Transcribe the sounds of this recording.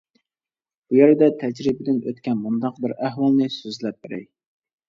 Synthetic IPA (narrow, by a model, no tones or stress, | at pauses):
b̥ujeɾɪd̪ɛt̪ʰɛd͡ʒɾɪbɪd̪ɪnø̰t̪kʲɛnmund̪ɑqbɪɾæɦwɑlˠnɨsøzlɛp̚beɾɪ̰